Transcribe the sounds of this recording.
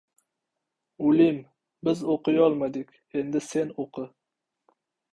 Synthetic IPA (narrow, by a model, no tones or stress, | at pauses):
ʊlɪm | bɪzoqɨjɒlˠmad̪ɪkʲ | e̞nd̪ɪse̞noqʰɨ